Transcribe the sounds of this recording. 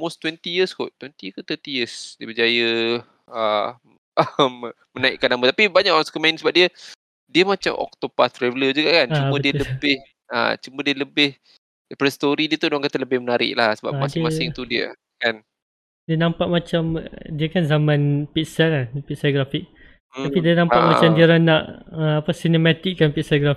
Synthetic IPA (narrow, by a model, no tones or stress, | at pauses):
most̪wɛnt̪ijəsko̰ʔt̪ːwɛnt̪iəkot̪ət̪ijəsdiəbəd͡ʒajə | ə | m | mənaɪʔkːanamət̪apibaɲakɔnskəmãinsəbap̚diə | diəmat͡ʃa̰mʔɔ̰k̚t̪opast̪ɾɛvələd͡ʒuɡaʔkant͡ʃaubə̃ətdiələbɪh | a̰t͡ʃumə̃diələbɪh | pɾəst̪oɾidiət̪udoaŋkat̪aləbɪhmənaɾɪ̰ʔlahsəba̰masdmasɪŋt̪udiə̰ | kan | diənãmpaʔ̚mat͡ʃamdiəkanzamãnpiʔ̚salapisaɡɾafik̪̚ | apidiənãmpaʔ̪mat͡ʃamdiəɾanaʔəapasinemat̪ikːanpiʔsaɡɾa